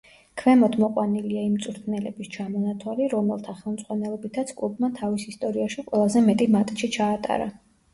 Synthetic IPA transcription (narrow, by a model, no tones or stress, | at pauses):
kʰvɛmɔd̪ʰmɔqʼwaniliaimt̪sʼuɾt̪ʰnɛlɛbist͡ʃʰamɔnat̪ʰwaliɾɔmɛlˠt̪ʰaχɛlˠmt̪sʼwanɛlˠɔbit̪ʰat̪sʰkʼlˠubmat̪ʰavisist̪ʼɔɾiaʃiqʼwɛlˠazɛmɛt̪ʼimat̪ʼʃit͡ʃʰaːt̪ʼa̰ɾa̰